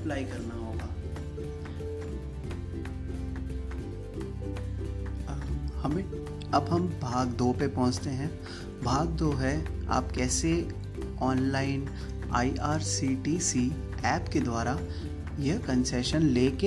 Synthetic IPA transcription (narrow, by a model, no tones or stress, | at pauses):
plaːikɐɾnaɦoːɡaː | hɐmɪʈ | ɐbɦɐmbʱaːɡd̪oːpepɔ̃ɦʊ̃t͡ʃt̪eɦɛ̃ | bʱaːɡ̚d̪oɦɛa̰ːpkɛːse | ɔːnlaːɪn | a̰ːiʔaːɾsiːʈiːsi | ɛːpked̪waːɾa | jɐɦkɐ̃nsɛːʃənleːke